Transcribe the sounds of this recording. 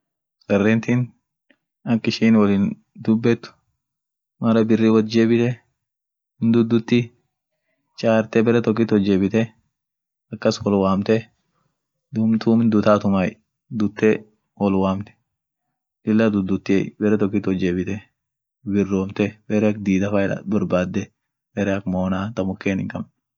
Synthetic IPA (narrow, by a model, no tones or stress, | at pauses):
sʼɐrːɛnt̪in | ɐkːɪʃiːnwɐliːn | d̪ʊbːɛt̪ːʊ̥ | mɐɾɐbɪrːiwɔd͡ʒeːbɪt̪ɛ | ɪnd̪ʊd̪ːʊt̪ːɪ | t͡ʃʼaːɾt̪ɛbɛɾɛt̪ɔk̬ːɪt̪ɔd͡ʒːeːbɪt̪ɛ | ɐkːɐswɔlwaːmt̪ɛ | d̪ʊmt̪uːmɪnd̪ʊt̪aːt̪ʊmaj | d̪ʊt̪ːɛ | wɔlwaːmt̪ɛ̥ | ɪlːɐd̪ʊd̪ːʊt̪ːɪebɛɾɛt̪ɔkːɪt̪ɔd͡ʒeːbɪt̪ɛ | bɪrːoːmt̪ɛbɛɾɛɐk̚d̪iːd̪ɐfaːɪla̰bɐɾbaːd̪ːɛ | bɛɾɛɐkmoːnaːt̪ɐmʊkːeːnɪŋkɐm